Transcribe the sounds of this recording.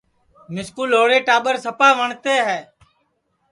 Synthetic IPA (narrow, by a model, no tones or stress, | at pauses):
mɪskuːlɦoːɽeːʈaːɓəɾsəpaːʋəɳt̪eːɦɛː